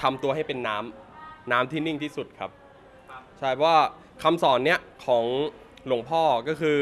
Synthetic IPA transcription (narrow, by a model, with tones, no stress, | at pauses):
t̪ʰa˧mt̪u˧ɐɦa˥˩jpe˧nːaː˦˥mnaː˦˥mt̪ʰiː˥˩ni˥˩ŋt̪ʰiː˥˩su˨˩t̪̚kʰa˦˥p̚ | t͡ɕʰa˥˩jpʰɔ˦˥wa˥˩ | kʰa˧msɔː˩˦nːi˦˥ɐkʰɔː˩˦ŋ | lo˨˩˦ŋpʰɔː˥˩kɔː˥˩kʰɯː˧